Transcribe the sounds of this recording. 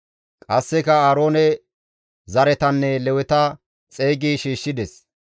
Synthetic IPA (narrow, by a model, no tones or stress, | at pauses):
kʼɐsːɛkɐaːɾo̞ːnɛ | zɐɾɛt̪ɐnːɛlɛwɛt̪ɐ | t͡sʼeːɡiːʃiːʃːɪd̪ɛs